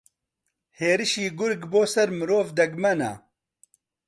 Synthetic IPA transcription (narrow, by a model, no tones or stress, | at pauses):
heːɾɨʃiːɡʊɾɡboːsɐɾmɨɾoːvd̪ɐɡmɐna̰